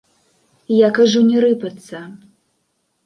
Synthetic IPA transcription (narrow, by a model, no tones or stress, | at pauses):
jakaʐunʲɛɾɨpɐt̪sːɐ